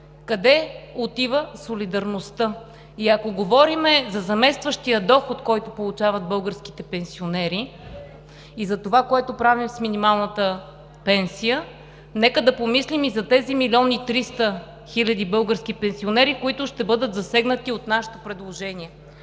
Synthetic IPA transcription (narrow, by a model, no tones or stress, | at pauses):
kɐd̪ɛot̪ivəsolid̪ɐɾnost̪ə | iɐkoɡovɔɾimɛzɐzɐmɛst̪vəʃt̪ijəd̪ɔxot̪kɔjt̪opolˠut͡ʃavəd̪̚bɤlˠɡəɾsk̟i̥t̪ɛpɛnsionɛɾi | izɐt̪ovakoɛt̪opɾavimsminimalˠnət̪ə | pɛnsijə | nɛkəd̪ɐpomislimizɐt̪ɛzimilʲiɔnit̪ɾist̪ə | xilʲɐd̪ibɤlˠɡəɾskipɛnsionɛɾikoit̪ʊʃt̪ɛbɤd̪ət̪zɐsɛɡnət̪iot̪naʃɪ̥t̪opɾɛd̪lˠoʒɛniɛ